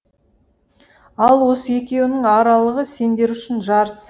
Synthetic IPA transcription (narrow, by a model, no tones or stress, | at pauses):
ɑlˠwo̞səe̞kʲe̞wɪnɪŋɑɾɑlˠəʁəse̞nd̪e̞ɾʏʃɪnʒɑɾəs